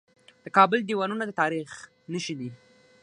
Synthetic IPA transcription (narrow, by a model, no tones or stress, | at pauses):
d̪̥əkɑbəld̪iwɑnunad̪ət̪ɑɾix | nəʃid̪i